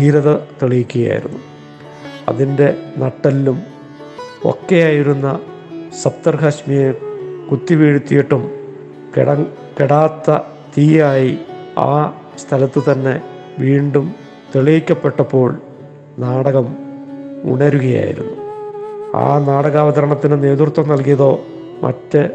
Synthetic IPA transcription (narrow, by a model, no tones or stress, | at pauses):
hiːɾɐðɐt̪eɭijikʲːuɣɐja̰ːjḭɾunːu | ɐ̰ðinde̞nɐʈːɐlːum | o̞̰kːe̞jaːjiɾunːɐ | sɐp̚t̪ɐrhɐɕmijekut̪ːiʋiːɻut̪ːijiʈːum | ɽɐ | keɽaːt̪ːɐ | t̪iːjaːjia̰ː | st̪ʰɐlɐt̪ːɨt̪ɐnːe̞̰ | ʋiːɳɖum | t̪eɭijikʲːɐpːe̞ʈːɐpːo̞ːɭ | naːɽɐɣɐm | ṵɳɐɾuɣɐja̰ːjḭɾṵnːu | a̰ːnaːɽɐɣaːʋɐðɐɾɐɳɐt̪ːinɨne̞ːt̪urt̪wɐmnɐlkijɐðo̞ː | mʔɐ̰tːɨ